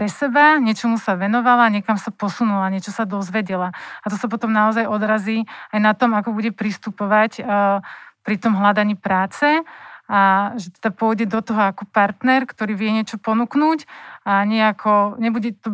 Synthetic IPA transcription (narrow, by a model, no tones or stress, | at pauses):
pɾɛsɛbaɲɛt͡ʃɔmusaʋɛnɔʋalaɲɛkamsapɔsunulaɲɛt͡ʃɔsad̪ɔzʋɛɟɛlaat̪ɔsap̬ɔt̪ɔmnaɔzajɔd̪ɾaziːajnat̪ɔmakɔbuɟɛpɾist̪upɔʋac | pɾit̪ɔmɦlad̪aɲiːpɾaːt͡sɛaʒɛt̪ɛd̪apʊɔjɟɛd̪ɔt̪ɔɦɔakɔpaɾt̪nɛɾkt̪ɔɾiːʋɪɛɲɪɛt͡ʃɔpɔnuknuːcaɲɛakʰɔɲɛbuɟɛt̪ɔ